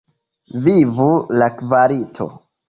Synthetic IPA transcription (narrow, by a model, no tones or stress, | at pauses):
vivulakvaɾitʰo̰